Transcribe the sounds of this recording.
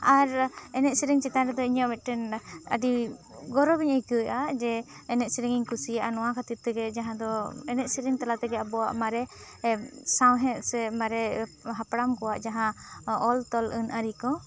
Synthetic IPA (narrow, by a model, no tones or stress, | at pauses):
aɾɛnɛt̪̚siɾiŋt͡ʃit̪anɾɛd̪ɔiɲɔʔmɛt̪̚ʈɛnə̰ɖiɡɔɾɔbiɲəjkəʔad͡ʒɛːnɛt̪̚siɾiŋiɲkusijaʔanɔ̃wakat̪it̪̚t̪ɛɡɛd͡ʒaɦãd̪ɔɛnɛt̪̚siɾiŋt̪alat̪ɛɡɛabɔwa̰ʔmaɾɛ | sawɦɛ̃t̪sɛmaɾɛɦapɽamkɔwaʔd͡ʒaɦãɔlt̪ɔlʔənʔaɾikɔ